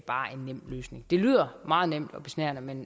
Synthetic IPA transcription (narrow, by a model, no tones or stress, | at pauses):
b̥ɑ̈ːʔe̝nːem̰̥løːsne̝ŋd̥e̝ly̰ːð̰ˠɐmɑ̈ːð̞̩ˠnem̰d̥ɒ̽b̥e̝snæɐnəmen